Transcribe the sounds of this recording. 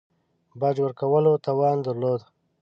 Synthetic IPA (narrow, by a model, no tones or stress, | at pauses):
bɑd͡ʒwəɾkawəlot̪ɑwɑnd̪əɾlod̪